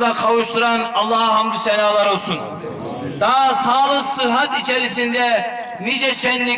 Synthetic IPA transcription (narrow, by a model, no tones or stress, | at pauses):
aqʰɑwuʃt̪uɾanɑlˠːɑhɦamd̪isɛnaːlˠaɾo̞lˠsun | d̪aːsaːlˠɯqsɯɦat̪it͡ʃʰeɾisind̪ɛ | nid͡ʒɛʃɛnːi